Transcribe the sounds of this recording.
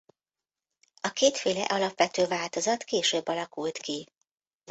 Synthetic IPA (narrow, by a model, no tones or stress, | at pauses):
ɒkeːt̪feːlɛ̰ʔɒlɒpʋɛt̪øːvaːlt̪o̞zɒt̪keːʃøːbːɒlɒkult̪ki